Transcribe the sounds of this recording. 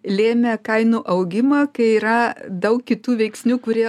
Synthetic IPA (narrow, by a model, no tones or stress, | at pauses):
lʲeːmʲeːkɐɪnuːʔɐʊɡʲɪmɑːkɐɪiːɾɐd̪ɐʊkʲkʲɪt̪uːʋʲɛɪksʲnʲuːkʊɾʲiɛ